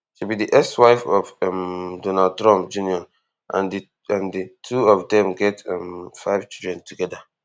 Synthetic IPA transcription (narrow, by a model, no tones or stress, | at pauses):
ʃubidiʔɛkswaɪfɔfɛmdonald̚tɹɔ̃mp̚d͡ʒuniɔ̃n | ã̰nd | ãnditʰuɔfdɛ̃mɡɛtɛmfaɪv̥t͡ʃildɹɛ̃ntʰuɡɛda